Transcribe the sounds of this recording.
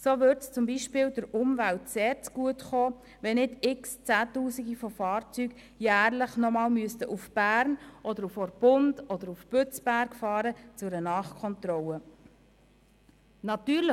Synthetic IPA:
soːʋʏɾtst͡sʊmbiʃpɪːldəɾʊmvæltseːɾt͡sɡ̥uətχoː | ʋɛnɪdɪkst͡sæːtuːsiɡifɔfɑːɾt͡syɡ | jæːɾləχnɔmɑːlmyəstəʔufb̥æːɾnʔɔd̪əɾufɔɾb̥ʊndɔd̪əɾufpøt͡sb̥æɾkfɑːɾət͡sʊɾənɑːχkʰɔnt̪ɾɔlə | nɑt̪yːɾlə

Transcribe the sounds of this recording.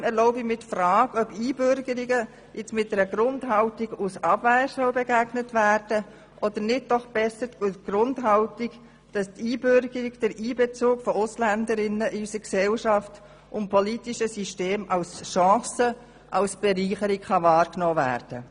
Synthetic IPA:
ɛɾlɔʊbɪmɪtfraːɡœbiːbʏɾɡəɾiɡə | jʔɪt͡smɪt̚dɛɾəɡɾʊndɦɑltiɡusɑbvæsəlbɛɡæɡ̥nətvæːrd̥ə | ʔɔdəɾnɪt̚d̥ɔχb̥ɛsəɡ̥rʊndɦɑltiɡ | d̥ɑstiːbʏɾɡ̥əɾiɡd̥ɛɾiːbɛt͡suːkfɔʊslændəɾɪnəʔɪysəksɛlʃɑft | ʔʊnpʰɔlitiʃəsyʃteːmɑlsʃɑ̃ːsə | ʔɑlsb̥ɛɾiːχəɾikχɑvɑːɾknɔːvæ̰ːɾd̥ə

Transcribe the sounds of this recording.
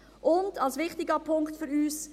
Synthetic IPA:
ʔʊndɑlsʋɪχtɪɡəpʰʊŋktfʏɾyːs

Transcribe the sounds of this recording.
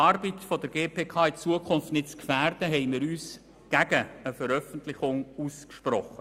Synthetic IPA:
ɑːɾbitfɔdəɾɡeːpʰeːkʰɑːɪt͡suəkʰʊnftnɪtt͡skfæːrd̥əɦɛɪmɪːɾyːs | ɡ̥æɡəəfəɾœfəntlɪχʊŋuːskʃpɾɔχːə

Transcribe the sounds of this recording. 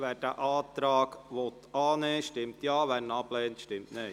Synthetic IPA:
ʋæːdæ̰ʔɑːt̪ɾɑːɡʋot̪ɑːneːʃtɪmt̪jɑːʋæɾnɑblɛːnt̪ʃtɪmtne

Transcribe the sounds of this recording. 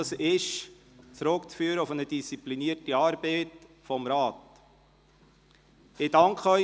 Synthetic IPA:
ɑsɪʃ | t͡sɾʊkt͡sfyːɾəʊfənədist͡sipliniːəɾtiɑːɾb̥eɪt | fɔmɾɑːt | ɪdɑŋkʰχəœʏ

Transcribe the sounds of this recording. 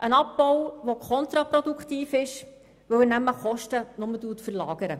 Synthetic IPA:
ʔənɑp̚bɔwʋokʰɔnt̪ɾɑpɾɔd̪ukχt̪iːfɪʃ | ʋɵwɪnæməχɔʃtənʊmətuətfərlɑ̰ːɡ̥əɾə

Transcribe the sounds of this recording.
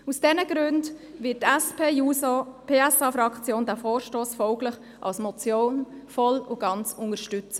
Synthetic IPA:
usd̥ɛnəɡɾʉndvɪt̚tɛspʰeːjuːsopʰeːɛsɑfɾɑkt͡sjoːndæːfɔːɾʃtoːsfɔʊɡlɪχ | ʔɑ̰lsmɔt͡sjoːnfɔlʊɡ̥ɑnt͡sʊŋəɾʃtʏt͡sə

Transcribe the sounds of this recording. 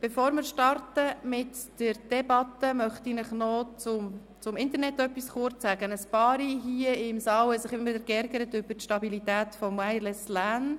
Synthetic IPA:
b̥efoːɾmɪɾʃtɑrtəmɪtd̥əɾd̥ɛbɑtəmœχt̪inɪχnɔt͡sʊm | t͡sʊmɪnt̪əɾnɛt̪ːœpːisχʊɾt͡ssæɡ̥ənəspɑːɾiɦiəɪmsɑːwhɛsɪχɪimɪd̪əɾkɛɾɡəɾətʏbəɾtʃtɑbilitæːt̪fɔmæɪlɛslæːn

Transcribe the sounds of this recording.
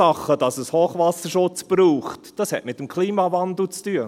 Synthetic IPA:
ɑχəd̥ɑsəshoːχʋɑsəʃʊt͡sb̥ɾuːχtd̥ɑshɛ̰tmɪtːəmkʰliːmɑːvɑnd̪l̩t͡styə

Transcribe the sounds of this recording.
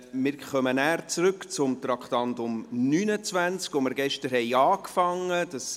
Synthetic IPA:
mɪːɾχœmənæːɾt͡sɾʏkt͡sʊmt̪ɾɑkʰtɑntʊmnyːnət͡sʋænt͡skoməɾɡɛʃtəɾhɛɪɑːkfɑŋːəd̥ɑs

